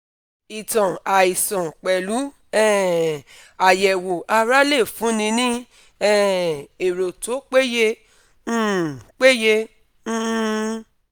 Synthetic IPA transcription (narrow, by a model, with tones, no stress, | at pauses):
i˨tɔ̃˨a˨i˨sɔ̃˨k͡pɛ˨lu˨˦ | ɛ̃˦˨ | a˨jɛ˨wo˨ʔa˧ɾa˦le˦˨fũ˨˦nĩ˧nĩ˦ | ɛ˦˨e˨ɾo˨to˨˦k͡pe˦jẽ˧˦˨ | k͡pe˦jẽ˧˦